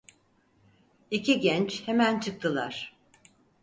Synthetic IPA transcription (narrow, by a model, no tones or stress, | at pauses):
icʰiɟɛnt͡ʃʰhemænt͡ʃʰɯk̚t̪ʰɯlˠaɾ̥